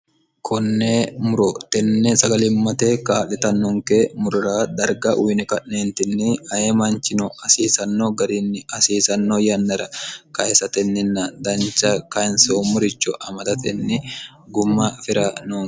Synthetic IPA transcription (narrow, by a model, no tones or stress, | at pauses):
kʰɔnːemʊɾɔt̪ɛnːɛsɐɡɐlɪmːɐt̪eːkaːlɛt̪ɐnːɔŋkemʊɾʊɾaːd̪ɐɾɡɐʔʊjnɪkɐʔneːnt̪ɪnːɪɐjemɐnt͡ʃːɪnɔɐsiːsɐnːoɡɐɾɪnːɪɐsiːsɐnːojɐnːɐɾɐkɐɛsɐt̪ɛnːɪnːɐd̪ɐnt͡ʃːɐkɐnsoːmʊɾɪt͡ʃːɔʔɐmɐd̪ɐt̪ɛnːɪ | ɡʊmːɐfɪɾɐnoːŋ